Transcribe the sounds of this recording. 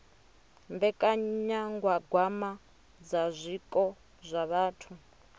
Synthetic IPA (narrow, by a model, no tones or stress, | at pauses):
mbɛkʼaɲaŋɡwaɡwama | d͡zazʷikʼɔ | zʷaβaːtʰu